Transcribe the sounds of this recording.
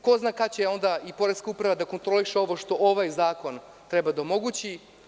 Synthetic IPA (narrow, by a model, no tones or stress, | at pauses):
ko̞znaːkat͡ɕeo̞nd̪aipo̞ɾeskaupɾaʋad̪ako̞nt̪ɾo̞liʃeo̞ʋo̞ʃt̪o̞ʔoʋajzaːko̞n | t̪ɾebad̪aomo̞ɡut͡ɕi